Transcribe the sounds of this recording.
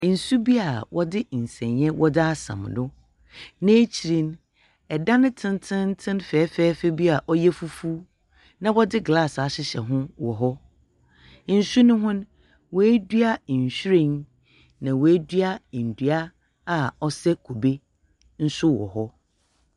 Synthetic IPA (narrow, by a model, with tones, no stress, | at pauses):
n̩˨su˦bi˦a˨wɔ˦dɪ˦˨n̩˨sɛ̃˨ɲjɛ̃˦wɔ˦dɪ˦a˦sã̰˨m˨dʊ˦ | nɛ̃˦t͡ɕʰi˨ɾĩ˦n | ɛ˨dã˦nʊ̃˦tʰɪ̃˦ntʰɪ̃˦n˦tʰɪ̃˦nfɛː˨˦fɛː˦fɛ˦bi˦a˨ʔɔ˦jɛ˦fu˦fu˦ | nã˨wɔ˦dɪ˦ɡla˦˨sa˨ɕɪ˦ɕɛ̰˨ɦʊ̃˦wɔ˨ɦɔ˦ | n̩˨su˦nʊ̃˦ɦʊ̃˦n | wɔ˨æ˦dɥa˦˨ɕᶣi˦ɾẽ˨n | nã˨wɔ˨æ˦dɥa˦˨n̩˨dɥa˦ | a˨ɔ˦sɛ˦kʰo˨be˦ | n̩˦sʊ˦wɔ̰˨ɦɔ˦